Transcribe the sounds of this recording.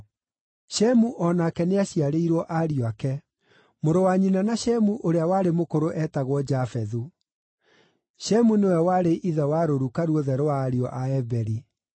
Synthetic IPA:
ɕɛmuʔɔnakɛneaɕiaɾeiɾwɔʔaɾiɔakɛ | moɾowaɲinanaɕɛmuʔoɾeawaɾemokoɾoʔɛtaɣwɔd͡ʑafɛðu | ɕɛmunewɛwaɾeʔiðɛwaɾoɾukaɾuoðɛɾoaːɾiɔʔaɛbɛɾi

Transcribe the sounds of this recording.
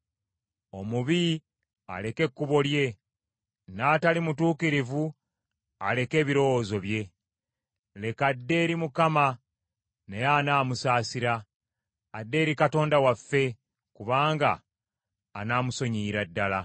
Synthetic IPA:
o̞muβi | a̰le̞ke̞kːuβo̞lje̞ | naːtalimutuːkiɾivu | ale̞ke̞ːβiɾo̞wozo̞βje̞ | le̞kadːe̞ɾimukama | nejaːnaːmusaːsiɾaː | dːe̞ːɾikato̞ːndawafːe̞ | kuβaːŋɡa̰ː | naːmuso̞ɲiːɾadːala

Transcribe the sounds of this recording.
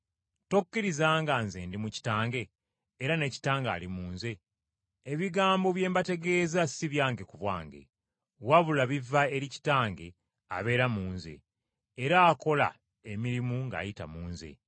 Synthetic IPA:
tokːiɾizaːŋɡanzeːndimuci̥taːŋɡe̞ː | ɾane̞ːci̥taːŋɡa̰ːlimuːnze̞ː | βiɡaːmbo̞βje̞ːmbate̞ɡe̞zasiβjaːŋɡe̞kuβwa̰ːŋɡe̞̰ | waβulaβivːae̞ɾici̥taːŋɡe | a̰βe̞ːɾamuːnze̞̰ː | ɾaːko̞la̰ | emiɾimuŋɡa̰ːjita̰muːnze̞̰

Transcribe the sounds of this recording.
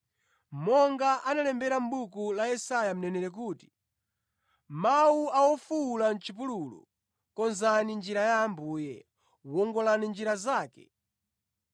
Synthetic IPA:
mɔŋɡaʔanalɛmbɛɾam̩ɓukulajɛsajam̩nɛnɛɾɛk̬uːti̥ | mawuawɔfulan̩t͡ʃip̬ululṵ | kɔnzanind͡ʒiɾajaːmbuːjɛ̰ | wɔŋɡɔlanind͡ʒiɾazaːkɛ̰

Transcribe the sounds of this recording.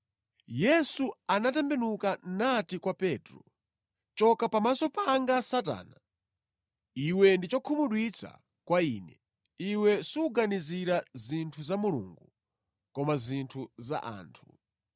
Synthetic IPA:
jɛsuanatɛmbɛnukanatikwapɛtɾɔ | t͡ʃɔkapamasɔpaŋɡasata̰ːna | iwɛndit͡ʃɔkʰumuɗwit͡sʰa̰ | kwaiːnɛ | iwɛsuuɡaniziɾazintʰuzamulṵŋɡu | kɔmazintʰuza̰ʔa̰ːntʰu̥

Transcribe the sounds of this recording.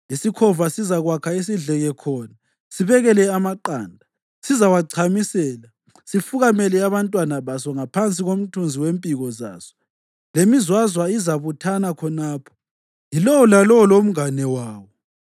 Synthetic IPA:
isikʰɔvasizaɣwakʰais̬iɮɛɣɛkʰɔːna | siβɛɣɛlɛamaǃaːndʱa | sizawaǀʰamisɛːla | sifuɣamɛlɛaβantʼwanaβasɔŋapʰant͡sʼiɣom̩tʰund͡zʱiwempʼiɣɔza̰ːsɔ̥ | lemizwazwaizaβutʰanakʰɔnaːpʰɔ̥ | jilɔwɔlalɔwɔlom̩ŋanɛwaːwɔ

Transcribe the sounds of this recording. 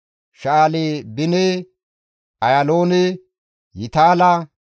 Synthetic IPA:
ʃaːleːbɪne | ʔɐjaloːne | jɪt̪aːlɐ

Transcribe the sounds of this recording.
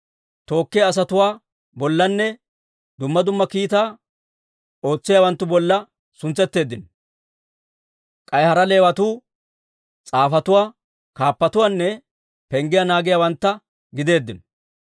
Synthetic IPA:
t̪o̞ːkːɪɐs̬ɐt̪ʊwaː | bɔlːɐnːɛ | d̪ʊmːɐd̪ʊmːɐkiːt̪aː | o̞ːt͡sːɪjaːwɐnt̪ːʊbɔlːɐ | sʊnt͡sːɛt̪ːe̞ːd̪ːɪn | kʼɐjhɐɾɐle̞ːwɐt̪uː | t͡sʼaːfɐt̪ʊwaː | kaːpːɐt̪ʊwaːnːɛ | pɛŋɡɪjanaːɡɪjawɐnt̪ːɐ | ɡɪd̪e̞ːd̪ːɪn

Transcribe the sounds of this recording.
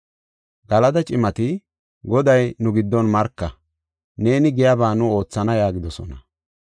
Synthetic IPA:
ɡɐlɐd̪ɐt͡ʃʼɪmɐt̪ɪ | ɡɔd̪ɐjnʊɡɪd̪ːɔnmɐɾkːɐ | ne̞ːnɪɡɛjabaːnʊo̞ːt͡sːɐnɐjaːɡɪd̪ɔsɔ̰nɐ

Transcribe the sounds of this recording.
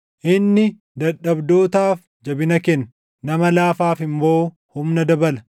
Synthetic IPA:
ʔɪnːɪ | d̪ɐᶑɐbd̪oːt̪aːf | d͡ʒɐbɪnɐkɛn | nɐmɐlaːfaːfɪmbo̞ː | hʊmnɐd̪ɐbɐlɐ̥

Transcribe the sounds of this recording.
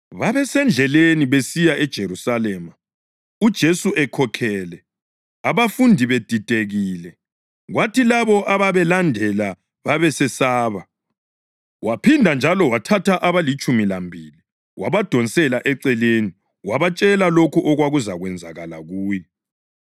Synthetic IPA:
βaβɛsɛnd͡ɮʱɛleniβesijaʔɛd̥ʒ̥ʱeɾusalɛːma | ud̥ʒ̥ʱesuʔɛkʰɔkʰɛːlɛ | aβafundʱiβed̥ʱitʼeɣiːlɛ | ɣwatilaβɔʔaβaβɛlandʱɛla | βaβɛsɛsaːβa | wapʰindʱand͡ʒʱalɔwatʰatʰaʔaβalit͡ʃʼumilambʱili | wʔaβad̥ʱɔnsʼɛlaʔɛǀɛleni | waβat͡ʃʼɛlalokʰuʔɔɣwaɣuzaɣwɛnd͡zʱaɣa̰la̰ɣuːjɛ

